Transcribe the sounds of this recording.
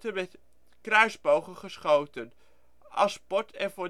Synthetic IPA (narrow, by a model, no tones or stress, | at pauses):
təmɛt | krœɥzbowχənχəsχowtən | ʔɑ̰spɔtʰɛnvʊ